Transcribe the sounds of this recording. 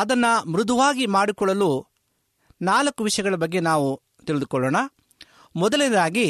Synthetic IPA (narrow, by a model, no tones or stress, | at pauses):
ɐd̪ɐnːɐmɾud̪uʋaːɡimaːɽikɔɭːɐlu | naːlɐkːuʋiʂɐjɐɡɐɭɐbɐɡːe̞naːʋu | t̪iɭɪd̪ukɔɭːoːɳɐ | mɔd̪ɐlinɐd̪aːɡi